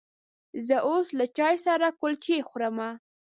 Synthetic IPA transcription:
zəʔoslat͡ʃɑjsaɾakʊlt͡ʃexɾəma

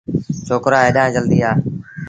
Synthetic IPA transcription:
t͡ʃʰoːkɾaːeːɗãːd͡ʒəld̪iːaː

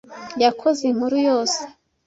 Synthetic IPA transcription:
jakʰozem̥uɾujo̞ːse̥

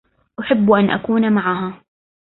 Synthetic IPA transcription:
ʔaħɪbːʔanʔa̰kuːnamaʕaɦa

